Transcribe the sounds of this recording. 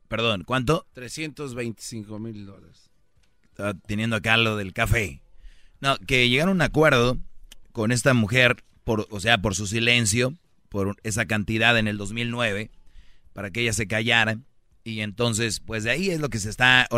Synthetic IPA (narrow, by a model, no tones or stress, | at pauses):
pe̞ɾðo̞nkwant̪̬ot̪ɾesje̞nt̪ozβejnt̪i̥siŋkomild̪olaɾes | at̪enje̞nd̪oakaloðe̞lkafe̞ | noke̞ʝe̞ɣaɾunakwe̞ɾðo̞ko̞ne̞st̪amuxe̞ɾ | po̞ɾoseap̬o̞ɾs̬us̬ile̞ns̬jo̞ | poɾe̞sakant̪iðaðe̞ne̞ld̪o̞zmilnwe̞βe̞paɾakeeʝas̬e̞kaʝaɾa | ie̞nt̪o̞ns̬e̞spwe̞zðeaie̞zlo̞k̬e̞s̬e̞st̪ao